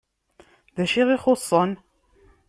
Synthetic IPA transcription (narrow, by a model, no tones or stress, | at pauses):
ðæʃiʁiχosˤːɑn